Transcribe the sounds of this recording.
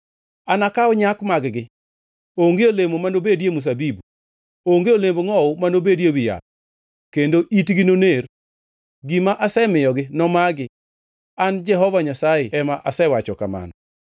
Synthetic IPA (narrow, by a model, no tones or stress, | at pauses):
anakaɔɲakmaɡɡɪ | oŋɡeolemomanobedjemus̬abibu | oŋɡeolemboŋɔʊmanobedjewija̰ | kendoʔitɡɪnoner | ɡimaʔasɛmɪjɔɡɪnɔmaɡɪ | and͡ʒɛɦɔvaɲasajeɛmaʔasɛwat͡ʃɔka̰ma̰nɔ